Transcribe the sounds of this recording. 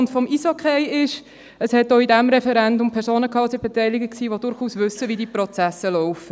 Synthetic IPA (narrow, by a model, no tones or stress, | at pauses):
ntfɔmisokʰejɪʃ | əshɛt̚ːoːidæmɾɛfɛɾɛndʊmpʰɛɾsoːnəkʰɑːsɪb̥etɛɪlɪɡəksiːʋodʊɾχuːsvʏsːəʋidiːpɾɔt͡sæsəlɔʊfə